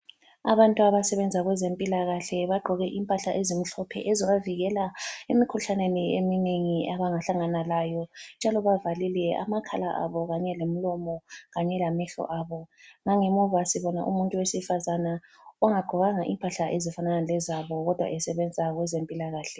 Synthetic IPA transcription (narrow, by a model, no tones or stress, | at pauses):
aβantʼuaβasɛβɛnd͡zʱaɣwɛzempʼilaɣaɬɛβaɡ͡ǃʱɔɣɛʔimpʼaɬaʔezim̩ɬɔpʰɛ̰ʔɛzɔɣaviɣɛlaemikʰuɬaneniemineŋiaβaŋaɬaŋanalajɔnd͡ʒʱalɔβavalilɛa̰makʰalaʔa̰βɔɣaɲɛlem̩lɔmɔɣaɲɛlamɛɬɔ̰ʔaβɔŋaŋɛmɔvasiβɔna̰ʔṵmuntʼuwesifazana | ɔŋaɡ͡ǃʱɔɣaŋaʔimpʼaɬaʔezifananalɛzaβɔɣɔd̥ʱwa̰ʔɛsɛβɛnd͡zʱaɣwɛzempʼilaɣaːɬɛ